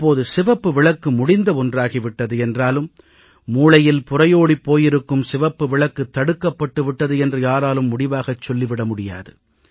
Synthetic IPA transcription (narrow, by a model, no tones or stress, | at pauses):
pːoːðɯsɪʋɐpːɯʋɪɭɐkːɯmʊɽɪnd̪ɐɔndraːɣiʋɪʈːɐðɯɛndraːlɯmː | uːlɐjɪlpʊrɐjoːɽipːoːjɪɾɯkːɯmsɪʋɐpːɯʋɪɭɐkːɯt̪ːɐɽɯkːɐpːɐʈːɯʋɪʈːɐðɯɛndrɯjaːɾaːlɯmːʊɽɪʋaːɣɐt͡ʃːɔlːɪʋɪɽɐmʊɽɪja̰ːðɯ